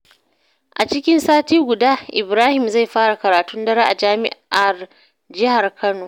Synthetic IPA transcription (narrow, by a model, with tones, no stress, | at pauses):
ʔa˨t͡ʃɪ˦kʲɪ˦nsaː˦tiː˦ɡʷʊ˨daː˦ʔɪ˨bɾaː˦hɪ˨mza˦˨jɸaː˦ɽa˨kɐ˨ɾaː˨tʊ˦ndɐ˦ɽaː˦ʔa˨d͡ʒaː˦mɪ̰˦ʔa˨r | d͡ʒɪ˦ha˨rkʰɐ˦noː˨